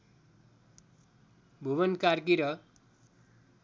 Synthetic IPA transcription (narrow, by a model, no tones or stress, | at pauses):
bʱuβʌnkarkiɾʌ